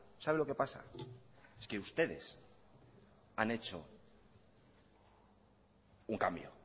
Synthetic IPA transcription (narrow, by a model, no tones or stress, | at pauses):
saβelo̞ke̞pasa̰ | eske̞ust̪e̞ðe̞̰s | ane̞t͡ʃo̞ | uŋkambjo̰